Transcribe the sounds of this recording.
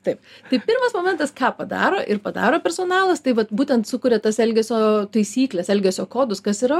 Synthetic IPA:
t̪ɐɪpt̪ɐɪpʲɪɾmɐsmoːmʲɛnt̪ɐskɑːpɐd̪ɑ̰ːɾoːʔɪɾpɐd̪ɑ̰ːɾoːpʲɛɾsoːnɑːlˠɐst̪ɐɪʋɐt̪buːtʲɛnt̪sʊkʊɾʲɛt̪ɐsɛlʲɡʲɛsʲoːt̪ɐɪsʲiːklʲɛsɛlʲɡʲɛsʲoːkoːd̪ʊskɐsiɾɐ

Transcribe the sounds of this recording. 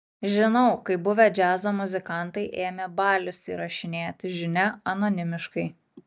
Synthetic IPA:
ʒʲɪnɒʊkɐɪbʊʋʲɛd͡ʒʲæːzoːmʊzʲɪkɐˑnt̪ɐɪʔeːmʲɛbɑːlʲʊsḭɾɐʃʲɪnʲeːt̪ʲɪʒʲɪnʲɛɐnoːnʲɪmʲɪʃkɐɪ

